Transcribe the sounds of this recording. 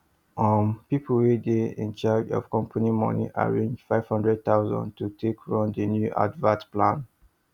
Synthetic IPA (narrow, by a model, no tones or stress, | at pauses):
ɔ̃mpipʰwedeɛ̃nt͡ʃad͡ʒɔ̰v̥kɔ̃mpʰanimɔ̰nḭʔa̰ɹẽnd͡ʒfaɪv̥hɔ̃ndɹɛd̚t̪aʊzɔ̰̃ntutʰekʰɹɔ̃ndənjuʔa̰dvãtplãn